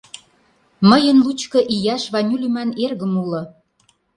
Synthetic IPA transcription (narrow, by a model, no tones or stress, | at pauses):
mə̆jə̆nlut͡ɕkɤ̆ʔijɑʃβɑnʲylymænerɣə̆mulɤ̆